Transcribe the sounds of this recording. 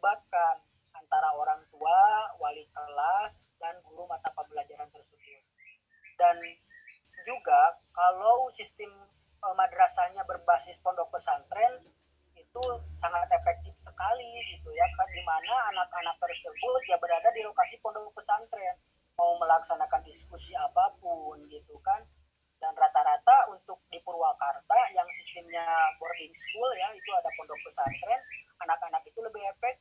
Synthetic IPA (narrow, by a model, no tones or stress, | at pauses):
bakan | ant̪aɾaoɾaŋt̪uawalikəlas | danɡulumat̪apabəlad͡ʒaɾant̪ərsəbʊt̪̚ | dan | d͡ʒuɡakalawsist̪ɪm | əmadəɾasaɲabərbasɪspɔndɔk̚pəsant̪ɾɛn | it̪usaŋat̪efɛk̚t̪ɪfsəkaliɡit̪ujakaɡimanaːnakanak̚t̪ərsəbʊt̪̚d͡ʒabəɾadadilokasipɔndɔkpəsant̪ɾɛn | mauməlaksanakandiskusiapapʊnɡit̪ukan | danrat̪aɾat̪aunt̪ʊk̚dipəɾuakart̪ajaŋsist̪əmɲakɔrdinsə̥kuljait̪uadapɔndɔk̚pəsant̪ɾɛnanakanakit̪uləbɪɦefɛk̚